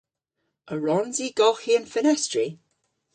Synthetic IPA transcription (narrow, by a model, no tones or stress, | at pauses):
əɹɔnziɡ̥ɔxiə̃nfənɛstɹi